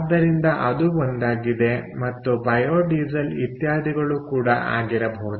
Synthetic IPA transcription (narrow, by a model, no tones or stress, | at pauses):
d̪ɐɾind̪ɐʔɐd̪uond̪aːɡid̪e̞mɐt̪ːubɐjoːɖiːd͡ʒɐlit̪jaːd̪ʱiɡɐɭukuːɽɐʔa̰ːɡiɾɐbɐd̪u